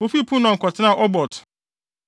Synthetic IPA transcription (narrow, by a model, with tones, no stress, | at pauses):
o˦fi˦˨pʰũ˦nɔ̃˨ŋ̩˨kʰʷɔ˨tʰɪ˦nã˦˨ʔɔ˦bɔ˨tʰ